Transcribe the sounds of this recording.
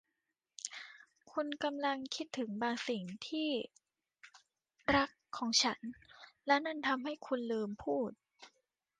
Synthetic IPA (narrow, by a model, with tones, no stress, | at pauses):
kʰu˧nka˧mla˧ŋkʰi˦˥t̪ʰːɯ˩˦ŋbaː˧ŋsi˨˩ŋt̪ʰiː˥˩ | ɾa˦˥kʰːɔː˩˦ŋt͡ɕʰa˦˥nlɛ˦˥wna˥˩nt̪ʰa˧mɦa˥˩jkʰu˧nlɤː˧mpʰuː˥˩t̪̚